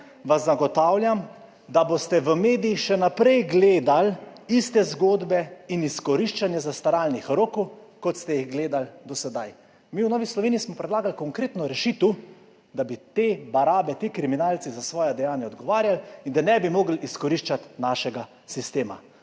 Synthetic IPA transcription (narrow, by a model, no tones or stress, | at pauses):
ʋazːaɡɔt̪aːwlʲjam | d̪abost̪ɛʋəmeːd̪ijixʃɛnapɾɛjɡleːd̪alist̪ɛzɡoːd̪bɛiniskɔɾiʃt͡ʃanjɛzast̪aɾaːlnixɾoːkukɔt̪st̪ɛjiɣɡleːd̪ald̪ɔsɛd̪aj | miːwnɔːʋislɔʋeːnijismɔpɾɛd̪laːɡalkɔŋkɾeːt̪nɔɾɛʃit̪u | d̪abit̪eːbaɾaːbɛt̪iːkɾiminaːlt͡s̪izasʋɔːjɛd̪ɛjaːnjaɔd̪ɡɔʋaːɾjalind̪anɛbimoːɡliskɔɾiʃt͡ʃat̪naʃɛɡa | sist̪eːma̰